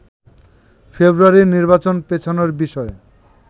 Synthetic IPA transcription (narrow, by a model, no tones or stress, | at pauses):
febɾuaɾiniɾbat͡ɕonpet͡ɕʰonoɾbiʃɔe